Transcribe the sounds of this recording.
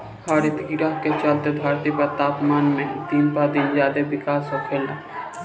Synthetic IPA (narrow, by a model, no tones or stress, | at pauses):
haɾet̪iɾaɦket͡ʃəlt̪ebʱaɾt̪ipɐɾt̪aːpmaːnmẽd̪inpad̪inzjaːd̪ebikaːsɔkʰela